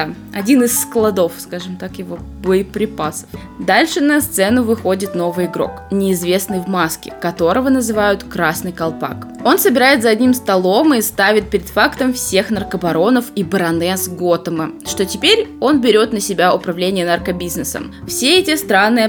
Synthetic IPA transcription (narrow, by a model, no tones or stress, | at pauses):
ɐ̰dʲinɨsːklˠɐd̪o̞fskaʐɨmt̪akjɪvoboɪpɾʲɪpasə̥f | d̪alʲʂɨnɐst̪sɛnʊvɨxo̞dʲɪt̪no̞vɨjɪɡɾo̞̰knʲɪːzvʲe̞snɨjvmaskʲɪ̰kɐt̪o̞ɾəvənəzɨvajʊt̪kɾasnɨjkɐlˠpa̰ko̞nsəbʲɪɾajɪt̪zɐɐdʲnʲimst̪ɐlˠo̞mɨst̪avʲɪt̪̚pʲɪɾʲɪd̪fakt̪əmfsʲe̞xnərkəbɐɾo̞nəfibəɾɐnɛsɡo̞t̪əməʂt̪o̞tʲɪpʲeɾʲo̞nbʲɪɾʲo̞t̪nəsʲɪbʲaʊpɾɐvlʲenʲɪjənɐrkəbʲiznɨsə̰m | fsʲeɛtʲɪst̪ɾanːɨjə